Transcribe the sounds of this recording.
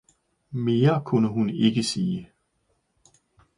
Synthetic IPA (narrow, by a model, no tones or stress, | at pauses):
me̝ːɐkʰunəɦune̝ɡ̥əsiː